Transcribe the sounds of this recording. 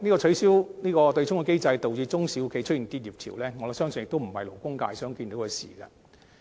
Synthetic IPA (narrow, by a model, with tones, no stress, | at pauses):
niː˥kɔː˧t͡ʃʰɵ˨˥ɥsiː˥wniː˥kɔː˧t̪ɵ˧jt͡ʃʰʊ˥ŋkɔ˧ke˥jt͡sɐ˧jt̪o˨wjiː˧t͡sʊ˥ŋsi˨˧˥wkʰe˨˧˥jt͡ʃʰɵ˥t̚jiː˨˩nt̪iː˧t̚jiː˨p̚t̪ʰḭː˨˩wlɛː˥ŋɔ˨˧˨sœː˥ŋsjɪ˨kt̪o˥wm̩˨˩hɐ̰˨jlo˨˩wkʊ˥ŋka̰ː˧jsœː˨˥ŋkiː˧nt̪o˨˥wkʰɛ˧sḭː˨˩ɡɐ̰˧